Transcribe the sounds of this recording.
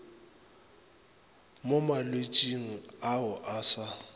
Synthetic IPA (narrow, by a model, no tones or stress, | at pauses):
momalwet͡ʃʼiŋ̩aʊʔaːsa